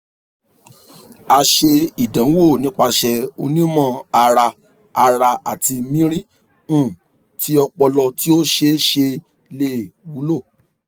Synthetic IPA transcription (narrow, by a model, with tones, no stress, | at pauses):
a˧ʃe˧i˨dã˨˦wo˦˨nĩ˦k͡pa˧ʃɛ˧o̰˧nĩ˦mɔ̃˧a˧ɾa˧ | a˧ɾa˧a˨ti˧mĩ˦ɾĩ˦ | ũ˦˨ | ti˨˦ɔ˧k͡pɔ˧lɔ˧ti˦o˦ʃe˧˦ʃe˧ | le˦˨wu˨˦lo˦˨